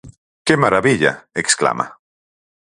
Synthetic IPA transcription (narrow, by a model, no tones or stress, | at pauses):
kemaɾaβiʎa̰ekskla̰ma̰